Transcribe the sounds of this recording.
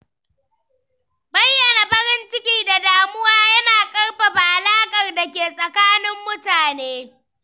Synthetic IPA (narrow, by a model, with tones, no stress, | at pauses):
bɐ˦jːɐ˨na˨ɸɐ˦ɾɪ˦nt͡ʃɪ˦kʲiː˦da˨daː˨mʊ˦waː˦jɐ˦naː˨kʼɐ˦rɸa˨ɸa˨ʔa˨laː˦kʼɐ˨rda˨kʲeː˨sʼɐ˨kaː˦nɪ˦mːʊ˦taː˨neː˦